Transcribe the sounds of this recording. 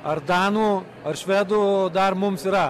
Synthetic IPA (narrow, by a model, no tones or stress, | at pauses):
ɐɾd̪aːnu | ɐɾʃʋed̪ud̪aːɾmumsiɾa